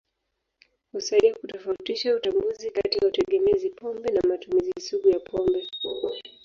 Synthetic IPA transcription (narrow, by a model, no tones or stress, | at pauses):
husadiakutɔfautiʃautambuzikatijautɛɠɛmɛzipʰɔmbɛnamatumizisuɡujapʰɔmbɛ